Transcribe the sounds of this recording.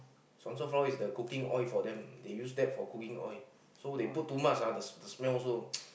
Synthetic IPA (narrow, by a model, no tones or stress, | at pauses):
sɔ̃nsɔfɔisdəkukĩŋʔɔ̰jfɔdɛ̃mdejus̬dɛt̚fɔkukĩŋɔ̰j | sodeput̚tːumat͡ʃadəsdəsmɛlɔs̬o